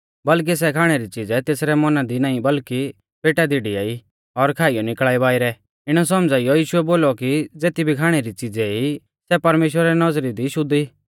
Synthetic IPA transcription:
bɐlk̬is̬ɛkʰaːɽ̃eɾit͡sɪd͡zɛt̪eːsɾɛmɔnad̪inaːĩbɐlki | peːʈad̪iɽiaːi | ɔɾkʰaːijɔnɪklɭaːibaːiɾɛ | ɪɽ̃ɔs̬ɔmd͡zaːijɔjiːʃʊɛboːlɔkid͡zeːt̪ibʱikʰaːɽ̃eɾit͡sɪd͡zɛi | sɛpɐɾmeːʃwɾɾɛnɔzɾid̪iʃʊd̪iː

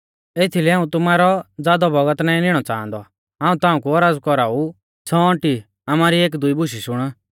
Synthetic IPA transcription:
eːt̪ʰilɛaːũt̪ʊmaːɾɔd͡zaːd̪ɔbɔɡət̪naːĩnɪɽ̃ɔt͡sã̰ːnd̪ɔ̰ | ãːũt̪ãːũkuɔɾaːd͡zkɔɾaːu | t͡sʰɔɔ̃ʈi | amaːɾieːk̬d̪ʊibʊʃiʃʊɽ̃

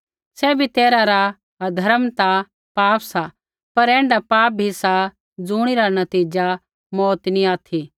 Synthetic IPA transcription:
sɛbʱit̪eːɾaɾa | d̪ʱɐɾəmt̪a | paːpsa | pɐɾɛ̃ːɳɖapaːp̚bʱisa | d͡zuːɽ̃iɾanɐt̪iːd͡ʒa | mɔːt̪nĩaːt̪ʰi

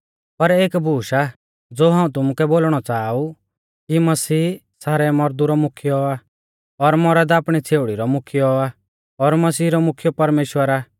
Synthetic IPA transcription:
pɐɾeːkbʱuːʃa | d͡zoːɦaːũt̪ʊmʊkɛboːlɽ̃ɔt͡saːu | kimɐsiː | saːɾɛmɔɾd̪uɾɔmʊkʰijɔa | ɔɾmɔɾɛd̪aːpɽ̃it͡sʰeːʊɽiɾɔmʊkʰijɔa | ɔɾmɐsiːɾɔmʊkʰjɔpɐɾmeːʃwəɾa

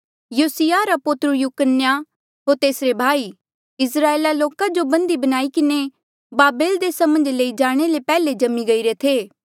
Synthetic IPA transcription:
juːsɪjaɾapʊt̪ɾujuːkənja | ɦoːɾt̪eːsɾebʱaːi | ɪsɾaːeːlaloːkad͡ʒobɐ̃nd̪ibɐnaːikɪne | baːbeːld̪eːsamə̃nd͡ʒleːid͡ʒaːɽ̃elepɛːled͡ʒɐmiɡɐiɾet̪ʰeː

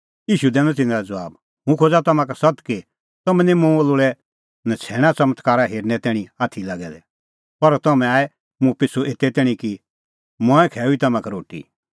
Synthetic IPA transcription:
iːʃud̪ɛ̃ːnɔ̃t̪̬ɪnãɾad͡zɐʋaːb | mũkʰoːd͡zat̪ɐmãkasɐt̪ke | t̪ɐmɛ̃nĩmũolʊɭɛ | nat͡sʰɛːɽ̃ãt͡sɐmət̪ʰkaːɾaɦeːɾnɛt̪ɛːɽ̃ĩaːt̪ʰilaɡɛd̪ɛ | pɐɾt̪ɐmɛ̃aːɛ | mũpɪsuʔeːt̪ːɛt̪ɛːɽ̃ĩki | mɔ̃ːɛ̃kʰɛːuit̪ɐmãkɛɾoːʈḭ

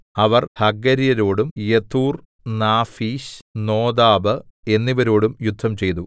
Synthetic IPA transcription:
ɐʋɐrhɐɡɐɾijɐɾo̞ːɽumjet̪uːr | naːfiːɕno̞ːd̪aːbɨe̞nːiʋɐɾo̞ːɽumjud̪ʱːɐmt͡ɕe̞jt̪u

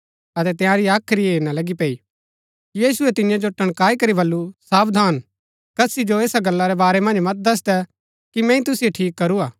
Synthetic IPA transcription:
ɐt̪ɛt̪ɪjãɾiaːkʰɾieːnalɐɡipeːi | kijiːsʊɛt̪ɪnɪjãd͡ʒoʈɐɽ̃kaːikɐɾibɐlːusaːbd̪ʱaːn | kɐsid͡ʒoeːsaɡɐlːaɾɛbaːɾɛmɐ̃nd͡ʒmɐt̪̚d̪ɐs̬d̪ɛ | kimɛ̃ːĩt̪ʊsijeʈʰiːkːɐɾuaː

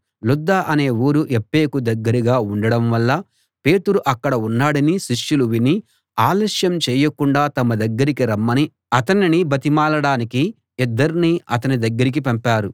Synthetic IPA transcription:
lud̪ːaʔɐne̞ːuːɾuʔepːe̞ːkud̪ɐɡːɐɾiɡaːuɳɖɐɽɐmʋɐlːɐ | pe̞ːt̪uɾuʔɐkːɐɽɐunːaːɽɐniʃiʂjuluʋini | aːlɐʂjɐmt͡ʃɛːjɐkuɳɖaːt̪ɐmɐd̪ɐɡːɐɾikiɾɐmːɐni | ɐt̪ɐninibɐt̪imaːlɐɽaːniki | id̪ːɐɾiniɐt̪̬ɐnid̪ɐɡːɐɾik̬ipɐmpaːɾu

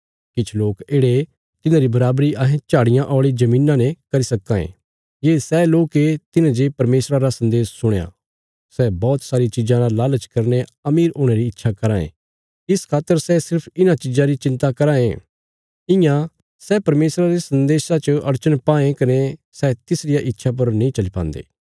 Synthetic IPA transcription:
kɪt͡ʃʰloːkeːɽe | t̪ɪnãɾibɐɾaːbɾiʔãːɦẽt͡ʃaːɽɪjãʔɔːɭid͡ʒɐmĩːnãnekɐɾisɐkːãḛ̃ | jeːsɛːloːket̪ɪnãd͡ʒepɐɾmeːsɾaɾasɐ̃nd̪eːsːʊɽ̃jã̰ | sɛbɔːt̪saːɾit͡ʃɪd͡ʒãlalaːlət͡ʃkɐɾneɐmiːɾoːɽ̃eɾiɪtːʃʰakɐɾãːḛ̃ | ɪskʰaːt̪ːəɾsɛsɪɾpʰɪnãt͡ʃɪd͡ʒãɾit͡ʃɪ̃nt̪akɐɾãːẽ | ɪ̃jã | sɛːpɐɾmeːsɾaɾesɐ̃nd̪eːsãt͡ʃəɐɾt͡ʃənpaːẽkɐne | sɛːt̪ɪsɾɪjaʔɪtːʃʰap̬ɐɾnɐĩt͡ʃɐlipã̰ːnd̪ḛː

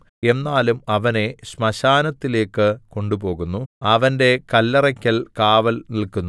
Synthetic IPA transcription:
e̞nːaːlumɐʋɐne̞ɕmɐɕaːnɐt̪ːile̞ːkːɨko̞ɳɖupo̞ːɣunːuɐʋɐnde̞kɐlːɐrɐkʲːɐlkaːʋɐlnilkunː

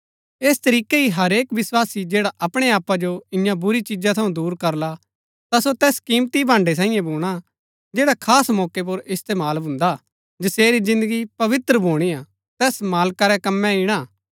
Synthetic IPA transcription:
eːst̪ɐɾiːkeɦiɦɐɾeːkʋɪswaːsid͡ʒeːɽaʔɐpɽ̃eaːpad͡ʒoɪ̃jãbʊɾit͡ʃɪd͡ʒat̪ʰɐũd̪uːɾkɐɾla | t̪asot̪ɛːskiːmt̪ibʱãːɳɖes̬aːĩjẽbuːɽ̃a | d͡ʒeːɽakʰaːsmɔːkep̬ʊɾɪst̪eːmaːlbʱʊ̃nd̪a | d͡ʒɐseːɾizɪ̃nd̪əɡipɐʋɪt̪ɾəbʱoːɽ̃ia | t̪ɛːsmaːlkaɾɛkɐmːɛ̃ɪɽ̃aː

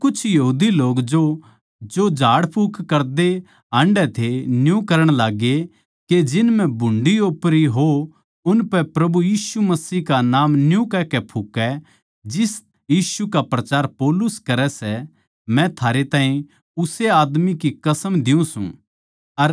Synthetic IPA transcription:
kʊt͡ʃʰjɐɦuːd̪iloːkd͡ʒo | d͡ʒod͡ʒʱaːɽpʰuːkʰkɐɾd̪e | ɦãɳɖɛt̪ʰenjũkɐɾəɽ̃laːɡe | ked͡ʒɪnmɛ̃bʱʊ̃ɳɖioːpɾiɦo | ʊnpɛpɾɐbujiːsumɐsiːɦkanaːmnjũkɛkɛpʰukɛ | d͡ʒɪs | jiːʃukapɾɐt͡ʃaːɾpɔːlʊskɐɾɛsɛ | mɛ̃t̪ʰaːɾet̪aːɦĩ | ʊseaːd̪mikikɐsəmd̪ɪũsṵ̃ | ɐɾ

